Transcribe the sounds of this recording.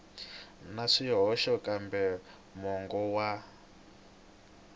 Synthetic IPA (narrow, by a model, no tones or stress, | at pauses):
naʂijɔɦɔʃɔkʼambɛ | mɔŋɡɔwa